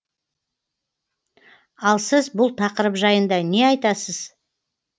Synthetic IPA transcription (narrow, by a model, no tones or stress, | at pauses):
ɑlˠsɪzbʊlˠt̪ʰɑqəɾəpʒɑjənd̪ɑne̞ɑjt̪ɑsəz̥